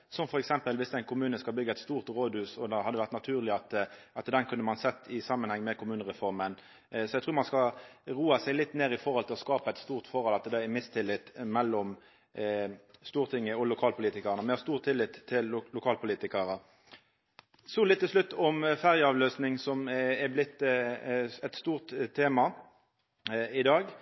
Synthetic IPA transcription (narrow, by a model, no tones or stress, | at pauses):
sɔmfɔɾɛksɛmpəlʋɪsæɛɪnkʰʊmʉːnəskɑlbʏɡːəɛt̪st̪uːʁt̪ʁoːd̪ʉːsɔd̪ɛhɑd̪ːəʋæʁt̪nɑt̪ʰʉːʁlɪɑt̪ʔɑt̪d̪ɛnkʰʉnːəmɑnsɛt̪ːɪsɑmːənhɛŋːmɛkʰʊmʉːnəʁɛfɔɾmən | sɔɛɪt̪ʰɾʉːʁmɑnskɑʁuːɑsælɪt̪ːneːɾɪfɔɾʁhɔlt̪ɪlɔskɑːpəɛt̪st̪uːʁt̪fɔɾɔlɑt̪d̪ɛɛmɪst̪ʰɪlɪt̪ːmɛlːɔm | st̪uːʁt̪ʰɪŋːəɔlʊkʰɑːlpʰʊliːt̪ɪkəʁnəmɛst̪uːʁt̪ʰɪlːɪt̪ʰːɪllʊkʰɑːlpʰʊliːt̪ɪkəʁə | sɔlɪt̪ːɪʂlʉt̪ːɔmfæʁjəɑːʋløːsnɪŋsɔmɛblɪt̪ː | ɛt̪st̪uːʁt̪ʰːeːmɑ | ɪd̪ɑːɡ